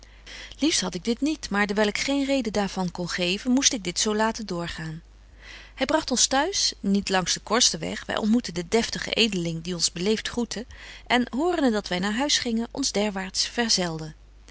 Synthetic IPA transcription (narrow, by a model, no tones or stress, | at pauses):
lifstɦɑtɪɡ̚dɪtnitmaːɹdəɹʋɛlˠɪkχejnrejdədaːɹv̥ɑnkɔnχejvənmustɪɡ̚dɪtsowlaːtəndʊːɹχaːn | hɛjbrɑχtɔnstœɥsnitlɑŋzdəkɔɹstəʋɛ̰χʋɛ̰jʔɔ̰ntmutəndədɛftəχə̰ʔejdəlɪŋdiɔnzbəlejftχrutʰəʔɛnɦʊːrəndədɑtʋɛjnaːɹɦœɥsχɪŋənʔɔ̰nzdɛɹʋaːɹtsfɛɹzɛlˠdə